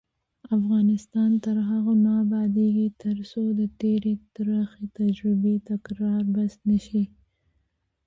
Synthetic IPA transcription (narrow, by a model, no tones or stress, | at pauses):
afɣɑnɪst̪ɑnt̪əɾɦaɣanɑbɑd̪eɡit̪əɾsod̪ət̪eɾet̪ɾaxet̪ad͡ʒɾɪbet̪akɾɑɾbasnəʃi